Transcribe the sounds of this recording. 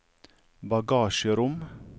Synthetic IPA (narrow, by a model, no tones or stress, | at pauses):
bɑɡɑːʃəɾʊm